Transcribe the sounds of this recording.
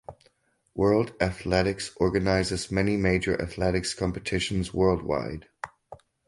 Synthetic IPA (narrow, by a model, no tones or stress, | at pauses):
wɜ˞lˠdæθlɛɾɪksʔɔɹɡɨnaɪzɨzmɛnimeɪd͡ʒə˞ʔɨ̰θlɛɾɨkskʰɑ̃mpɨtʰɪʃn̩zwɜ˞lˠd̚wa̰ɪd̥